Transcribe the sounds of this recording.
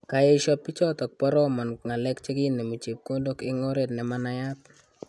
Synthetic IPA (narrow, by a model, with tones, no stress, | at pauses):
ka˨je˦ʃɔ˦pːɪ˦t͡ʃɔ˦tɔ˨k̚pɔ˦ɾɔ˦ma˨nŋa˨lɛ˦kt͡ʃe˦ɡɪ˦ne˨mo˨t͡ʃe˨p̚ko˦do˦kɪ˦ŋɔ˦ɾe˨dnɛ˨ma˦na˦ja˦t̚